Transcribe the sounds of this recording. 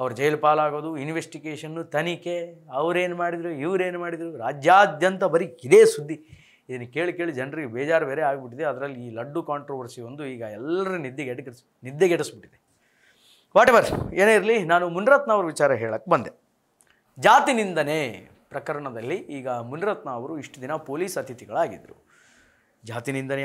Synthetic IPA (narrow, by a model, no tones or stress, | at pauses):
ɐʋɐɾud͡ʒɐjlpaːlaːɡo̞ːd̪uinʋesʈiɡeːʂɐnːut̪ɐnike̞ɐʋɐɾe̞ːnumaːɽid̪ɾuiʋɾe̞ːnumaːɽid̪ɾuɾaːd͡ʒjaːd̪ʱjɐnt̪ɐbɐɾiid̪e̞ːsud̪ʱːi | id̪ɐnːɐkeːɭike̞ːɭid͡ʒɐnɾiɡebɛːd͡ʒaːɾbeːɾeaːɡbiʈ̬id̪eɐd̪ɐɾɐlːiːlɐɖːukaːɳʈɾoʋɐɾsiʋond̪uiːɡɐɛlːɐɾunid̪ːeɡeʈɡ | nid̪ːjeɡeʈɐsbiʈːid̪e | ʋaːʈɛʋɐɾeːneiɾɐlinaːnumunɾɐt̪naːʋɐɾuʋit͡ʃaːɾɐɦeːɭɐkːebɐnd̪e | d͡ʒaːt̪inind̪ɐne | pɾɐkɐɾɐɳɐd̪ɐlːiʔiːɡɐmunɾɐt̪naːʋɐɾuiʂʈud̪inɐpoːliːsɐt̪ʰit̪iɡɐɭaːɡḭd̪ɾṵ | d͡ʒaːt̪inind̪ɐne